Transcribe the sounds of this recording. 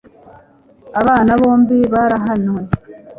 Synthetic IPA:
aβaːnaβo̞ːmbiβaɾaɦanwe

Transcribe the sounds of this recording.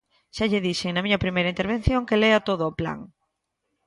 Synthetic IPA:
ʃaʎɪðiʃɪŋnɐmiɲɐpɾimejɾɐint̪eɾβ̞en̟θjoŋkeleat̪oðoːpla̰ŋ

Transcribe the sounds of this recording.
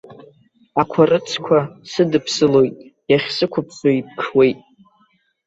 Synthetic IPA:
akʷʰarɨt͡sʰkʷʰasɨdɨpʰsɨlo̞jtʼjaχʲsɨkʷʰʊpʰt͡sʰoip̚ʰkʰwe̞jtʼ

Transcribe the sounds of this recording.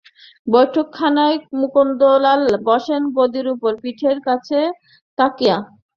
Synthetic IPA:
bojʈʰokʰːanaemukond̪olalbɔʃenbod̪iɾupoɾpiʈʰeɾkat͡ɕʰe | t̪akia

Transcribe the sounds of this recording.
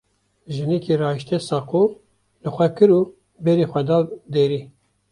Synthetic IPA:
ʒɨnikʰiɾɑːiʃt̪ʰɛsɑːko | lɨxʷɛkɨɾuː | bɛɾixʷɛd̪ɑːd̪eɾiː

